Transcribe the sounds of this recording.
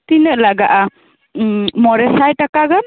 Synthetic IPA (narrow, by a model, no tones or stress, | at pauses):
t̪inɯʔlaɡaʔa | mɔɾɛsajtakaɡɯn